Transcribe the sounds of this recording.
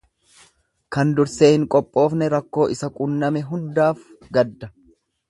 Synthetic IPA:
kɐnd̪ʊɾse̞ːhɪŋkʼɔpʼːo̞ːfnɛɾɐkːo̞ːʔɪsɐkʼunːɐmɛɦʊnd̪aːfɡɐd̪ːɐ

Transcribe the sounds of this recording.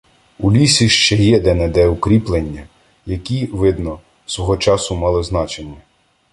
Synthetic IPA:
ulʲisʲiʃt͡ʃɛjɛd̪ɛnɛd̪ɛukɾʲiplˠenʲːɐ | jɐkʲiʋɪd̪nɔ | sʋɔɦɔt͡ʃɑsʊmɑlˠɪznɑt͡ʃemɛ

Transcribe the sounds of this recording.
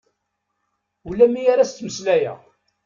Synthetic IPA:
ulːæmːijaɾæst̪ːməslæjæ̰

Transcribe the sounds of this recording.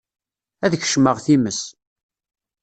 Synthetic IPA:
æðç̥ʃməʁθiməs

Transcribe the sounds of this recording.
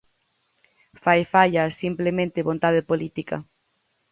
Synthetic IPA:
fajfaʎasimplemẽnt̪ɪβont̪aðepolit̪ika̰

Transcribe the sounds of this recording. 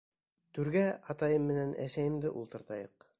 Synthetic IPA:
t̪ʉɾɡæɑt̪ɑjɤmːɘ̆nænʔæ̰sæjɘ̆md̪ɘʔulˠt̪ɤ̆ɾt̪ɑjɤq

